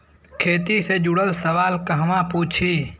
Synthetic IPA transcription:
kʰeːt̪ised͡ʒʊɽəlsəʋaːlkɐɦəmãpuːt͡ʃʰiː

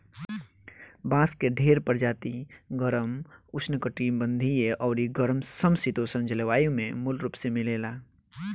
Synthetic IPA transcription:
bãːskeɖʱeːɾpəɾd͡ʒaːt̪iɡəɾəmʊt͡ʃnəkəʈiːmbə̃nd̪ʱijeʔɔːɾiɡəɾmsəmsit̪oːsə̃nd͡ʒəlʋaːjũmẽmʊlɾuːpsemɪleːlaː

